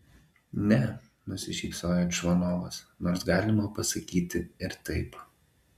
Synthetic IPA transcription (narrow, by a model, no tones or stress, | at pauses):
nʲɛ | nʊsʲɪʃʲiːksoːjoʃʋɐnoːʋɐsnoːɾsɡɑːlʲɪmɐpɐsɐkʲiːt̪ʲɪɪɾt̪ɐɪp